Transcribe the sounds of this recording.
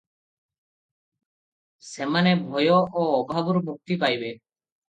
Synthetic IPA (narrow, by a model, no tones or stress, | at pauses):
semanebʱɔjɔʔɔːbʱabuɾmʱuk̚t̪ipajbe